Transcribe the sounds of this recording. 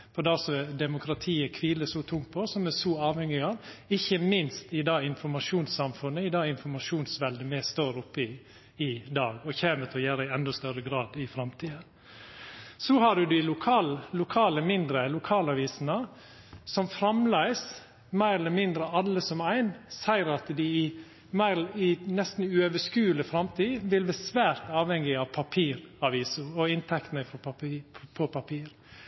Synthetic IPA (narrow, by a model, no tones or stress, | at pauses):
fɔd̪ɑsɔɛd̪ɛmʊkʰɾɑt̪ʰiːəkʰʋiːləsɔt̪ʰʊŋt̪̚pʰɔsɔmɛsɔɑːʋhɛŋɪɑʋɪçːəmɪnst̪ɪd̪ɑːɪnfɔɾmɑʂuːnsɑmfʉnːəɪd̪ɑːɪnfɔɾmɑʂuːnsʋɛld̪əmɛst̪oːɾʊpːəɪ | ɪd̪ɑːɡɔçeːmət̪ʰɪlɔjæːɾəɪɛnd̪ɔst̪œɾəɡɾɑːd̪ɪfɾɑmt̪ʰiːd̪ən | sɔhɑd̪ʉd̪ɪɪlʊkʰɑːlːʊkʰɑːləmɪnd̪ɾəlʊkʰɑːlɑʋiːsənə | sɔmfɾɑmlæɪs | mæɪɾɛləmɪnd̪ɾəɑlːəsɔmæɪnsæɪɾɑt̪d̪ɪɪ | mæɪɪnɛst̪n̩ʉøʋəskʉːləfɾɑmt̪ʰiːʋɪlʋbɛsʋæːɾt̪ɑːʋhɛŋːɪɑʋpʰɑpʰiːɾɑʋiːsʊɔɪnt̪ʰɛkt̪nəfɔpɑpʰɔpʰɑpʰiːɾ